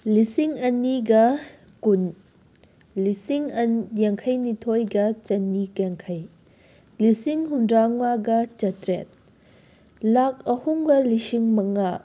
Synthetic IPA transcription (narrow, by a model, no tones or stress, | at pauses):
lisiŋɐnːiɡɐ | kun | lisiŋɐnjaŋkʰɐjnitʰojɡɐt͡ʃɐnːikaŋkʰɐj | lisiŋɦundɾaŋwaɡɐt͡ʃɐtɾet̚ | lak̚ɐhuŋɡɐlisiŋmɐŋa